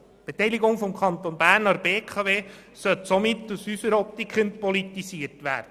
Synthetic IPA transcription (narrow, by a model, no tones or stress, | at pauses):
b̥etɛjliɡʊŋfɔmkʰχɑnt̪onbæːrnɑɾbeːkχɑveː | sœtsomɪtːusysəɾɔp̚t̪ikχəntpɔlit̪isiəɾtʋæ̰ːrd̥ə